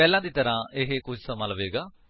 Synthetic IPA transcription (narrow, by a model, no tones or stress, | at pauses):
ɛːlãːd̪iːt̪əɾãːʔɪɦekʊd͡ʒsəmaːləʋeːɡaː